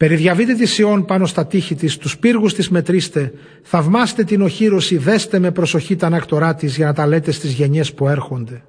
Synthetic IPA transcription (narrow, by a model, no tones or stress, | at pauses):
pe̞ɾiðʝɐvit̪e̞t̪̬isio̞npɐno̞st̪ɐt̪içit̪ist̪uspiɾɣust̪izme̞t̪ɾist̪e̞ | θɐvmɐst̪e̞t̪ino̞çiɾo̞siðe̞st̪e̞me̞pɾo̞so̞çit̪ɐnɐkt̪o̞ɾɐt̪izʝɐnɐt̪ɐle̞t̪e̞st̪izʝe̞ɲe̞spue̞ɾxo̞nd̪e̞